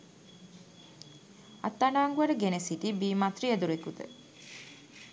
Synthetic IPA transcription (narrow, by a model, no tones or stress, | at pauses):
at̪ːanaːŋɡuʋəɖəɡenesiʈibiːmat̪riəd̪uɾekut̪ə̰